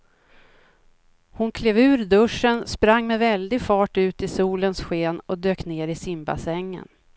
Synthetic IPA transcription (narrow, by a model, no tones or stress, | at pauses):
hʊnkʰleːvʉ̟ːɾd̪ɵʂənspɾaŋːmɛvɛld̪ɪɡfɑːʈʉ̟ːt̪ɪsuːlənsɧeːnɔd̪øːkneːɾɪsɪmba̰sɛŋːə̰n